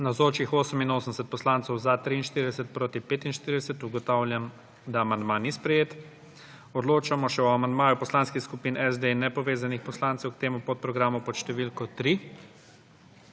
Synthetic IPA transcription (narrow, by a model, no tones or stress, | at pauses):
nawzoːt͡ʃixoːsəminoːsəmɛsɛt̪̚pɔslaːnt̪sɛwzat̪ɾiːnʃt̪iɾid̪ɛsɛt̪̚pɾoːt̪ipeːt̪inʃt̪iɾid̪ɛsɛt̪uɡɔt̪aːwlʲjam | d̪aːmand̪manispɾɛjeːt̪ | ɔd̪loːt͡ʃamɔʃɛɔamand̪maːjupɔslanskixskupiːnɛzd̪enːɛpɔʋeːzanixpɔslaːnt̪sɛwkt̪eːmupɔt̪̚pɾɔɡɾaːmupɔʃt̪ɛʋilkɔt̪ɾi